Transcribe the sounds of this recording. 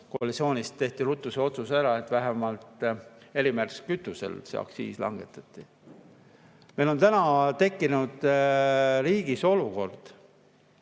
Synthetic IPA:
koɑlit̪sio̞ːnʲist̪ːe̞ht̪ilut̪ːˑuseo̞t̪susæɾɑe̞t̪væɦæmɑlt̪e̞limærskyt̪ˑːusḛlseɑ̰ksḭːslɑ̰ŋɡ̥e̞̰t̪ːˑɑ̥t̪ːˑi | meilo̞nt̪ænɑt̪e̞kːinud̪̥ | riːɡ̥iso̞luko̞rd̪̥

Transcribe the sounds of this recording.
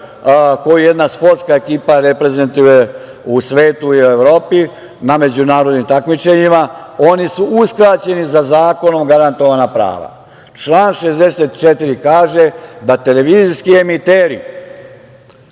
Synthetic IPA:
ko̞juje̞d̪naspo̞ɾt̪skae̞kiːpaɾepɾe̞ze̞nt̪uje̞ | usʋe̞ːt̪uiue̞ʋɾo̞ːpi | name̞d͡ʑunaːɾo̞d̪nimt̪akmit͡ʃe̞ɲimao̞nisuuskɾat͡ɕe̞nizazaːko̞no̞mɡaɾant̪o̞ʋanapɾa̰ːʋa̰ | t͡ʃlˠaːnʃe̞zd̪e̞set̪t͡ʃet̪iɾikaːʒe̞d̪at̪e̞leʋiːziskie̞mit̪eːɾḭ

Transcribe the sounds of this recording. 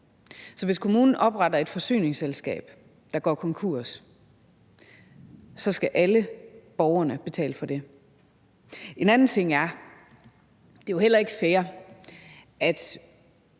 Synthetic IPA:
sɒ̽ʋe̝skʰo̝muːnn̩ʔɒ̽b̥ʁɑ̈d̥ɐe̝d̥fɒ̽sy̰ːne̝ŋselsɡ̥ɛ̰ːb̥ | d̥ɑ̈ɡ̥ɒ̰ːkʰɒ̽ŋkʰuɐ̰s | sɒ̽sɡ̥æʔæləb̥ɒʊɐnəb̥e̝t͡sʰɛ̰ːləfɒ̽d̥e̝ | e̝nænn̩t͡sʰe̝ŋ̰æɐ | d̥e̝johel̰ɐe̝ɡ̥əfeːɐ | æd̥

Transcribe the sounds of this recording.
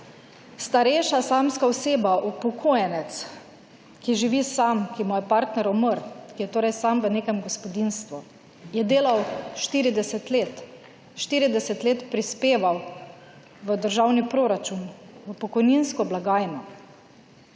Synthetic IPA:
st̪aɾɛjʃasaːmskaɔseːbaʔupɔkʰojɛnɛt̪s | kiʒiʋisamkimujɛpaɾt̪nɛɾɔməɾkijɛt̪oːɾɛjsamʋəneːkɛmɡɔspɔd̪inst̪ʋu | jɛd̪eːlawʃt̪iːɾid̪ɛsɛt̪leːt̪ | ʃt̪iːɾid̪ɛsɛt̪leːt̪pɾispeːʋaw | ʋəd̪əɾʒawnipɾoːɾat͡ʃunʋəpɔkɔjninskɔblaɡaːjnɔ

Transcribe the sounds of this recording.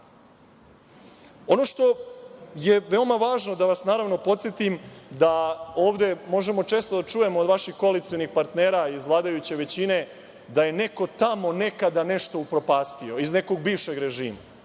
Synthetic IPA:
o̞no̞ʃt̪o̞je̞ʋe̞omaʋaːʒno̞d̪aʋasnaːɾaʋno̞po̞t̪sjet̪imd̪ao̞ːʋd̪e̞mo̞ʒe̞mo̞t͡ʃe̞ːst̪od̪at͡ʂuːje̞moːd̪ʋaʃixko̞alit̪sijo̞nixpaɾt̪ne̞ːɾaizʋlˠaːd̪ajut͡ɕe̞ʋe̞t͡ɕine̞ | d̪aje̞ne̞ko̞t̪amo̞ne̞kad̪ane̞ʃt̪o̞upɾo̞paːst̪io̞izne̞ko̞ɡ̚biːʋʃe̞ɡɾeʒiːma

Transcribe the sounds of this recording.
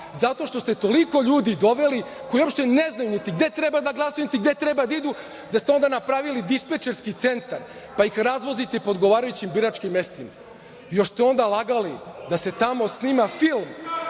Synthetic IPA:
zat̪o̞ʃt̪o̞st̪e̞t̪o̞liko̞ʎuːd̪id̪o̞ʋe̞likoiuo̞pʃt̪eneznajunit̪iɡd̪e̞t̪ɾebad̪aɡlˠasojunit̪iɡd̪e̞t̪ɾebad̪aid̪u | d̪ast̪eo̞nd̪anapɾaːʋilid̪ispet͡ʃeɾskit̪se̞nt̪aɾ | paixɾazʋo̞zit̪ɛpood̪ɡo̞ʋaːɾajut͡ɕimbiɾat͡ʃkimːest̪ima | joʂst̪ɛo̞nd̪alˠaɡalid̪ase̞t̪amo̞sniːmafilˠm

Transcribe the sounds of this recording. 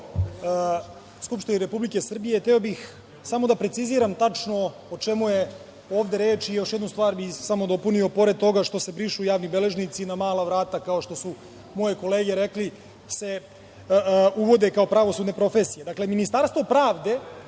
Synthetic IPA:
skupʃt̪iniɾe̞publike̞sr̩bijet̪eo̞bix | samo̞d̪apɾetsiziːɾamt̪at͡ʂno̞ | ot͡ʃe̞muje̞ | o̞ːʋd̪e̞ɾeːt͡ʃijo̞ʃjed̪nust̪vʋaːɾbixsamo̞d̪o̞punio̞po̞ɾe̞d̪̚t̪o̞ɡaʃt̪o̞se̞bɾiʃuːjaːʋnibe̞le̞ʒnit̪sinamaːlˠaʋɾaːt̪akao̞ʃt̪o̞su | mo̞je̞ko̞leːɡe̞ɾekli | se̞ | uʋo̞d̪e̞kaopɾaʋo̞sud̪ne̞pɾo̞fesije̞d̪akle̞minist̪aːɾst̪vʋo̞pɾaːʋd̪e̞

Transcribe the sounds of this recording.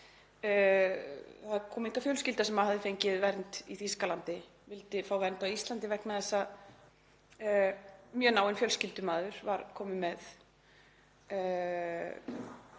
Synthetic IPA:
θaðkʰɔːmɪhkafjœlscɪlt̪asɛmaðhaðɪfejɲcɪðvɛɾnt̪iθiskalant̪ɪ | vɪlt̪ɪfaːwvɛɾnt̪aist̪lant̪̬ɪvɛknaðɛsːa | mjœnaːwɪnfjœlscɪlt̪ʏmaːðʏɾ̥vaɾkʰɔːmɪmɛð

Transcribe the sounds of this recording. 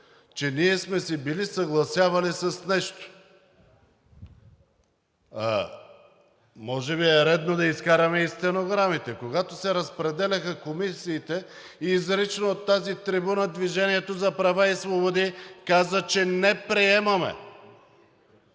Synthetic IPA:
t͡ʃɛniɛsmɛsibilisɐɡlˠɐsʲjavɐlisɐsnɛʃt̪o̥ | a̰ | mɔʒɛβiɛɾɛd̪nod̪ɐiskaɾɐmɛist̪ɛnoɡɾamit̪ɛkoɡat̪osɛɾɐspɾɛd̪ɛlʲɐxəkomisiːt̪ɛ | iːzɾit͡ʃnoot̪ːazit̪ɾibunad̪viʒɛniɛt̪ozɐpɾɐvaisvobod̪ikazət͡ʃɛnɛpɾiɛmɐmɛ̰

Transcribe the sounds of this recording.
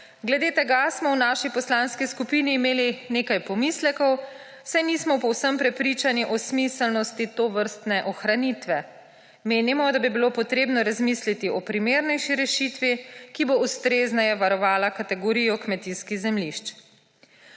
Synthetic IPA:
ɡlɛd̪eːt̪ɛɡasmɔwnaːʃipɔslaːnskiskupiniːmeːlineːkajpɔmislɛkɔw | sajnismɔpɔwsəmpɾɛpɾiːt͡ʃaniʔɔsmisɛlnɔst̪it̪oʋəɾst̪nɛʔɔxɾanit̪ʋɛ | meːnimɔd̪abibilopɔt̪ɾeːbnɔɾazmislit̪iʔɔpɾimeːɾnɛjʃiɾɛʃit̪ʋikiboust̪ɾeznɛjɛʋaɾɔʋaːlakat̪ɛɡɔɾijɔkmɛt̪inskiɣzɛmliʃt͡ʃ

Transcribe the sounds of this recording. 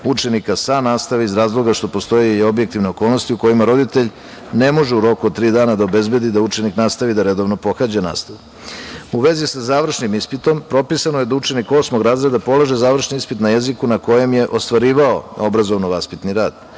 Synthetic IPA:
ut͡ʃe̞nikasanaːst̪aʋiizɾaːzlˠo̞ɡaʃt̪o̞po̞st̪o̞jeo̞bjekt̪iʋne̞o̞koːlˠnost̪iuko̞jimaɾo̞d̪it̪e̞ʎ | ne̞mo̞ʒeuɾo̞kud̪̚t̪ɾiːd̪aːnad̪aobe̞zbe̞d̪id̪aut͡ʃe̞niknaːst̪aʋid̪aɾe̞d̪o̞ʋno̞po̞xad͡ʑana̰ːst̪aʋu | uʋe̞zisazaːʋr̩ʃnimispit̪o̞mpɾo̞pisanoje̞d̪aut͡ʃe̞niko̞ːsmo̞ɡɾaːzɾed̪apo̞lˠaʒe̞zaːʋr̩ʃniispit̪naje̞zikunako̞je̞mje̞ʔo̞st̪ʋaɾiːʋao̞o̞bɾazo̞ʋnoʋaspit̪niɾaːd̪̥

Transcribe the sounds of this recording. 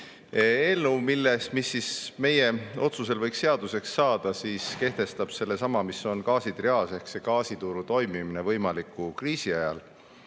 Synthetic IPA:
eːlnuːmilːest̪misːisme̞je̞o̞t̪suse̞lvɤjksːe̞ɑd̪use̞ksːɑːd̪̥ɑsiːske̞ht̪e̞st̪ɑb̥se̞lːe̞sɑmɑmiso̞nkɑːsit̪riɑːse̞hksekɑːsit̪uɾut̪o̞jmimine̞vɤjmɑlikːukriːsiɑjɑ̰l

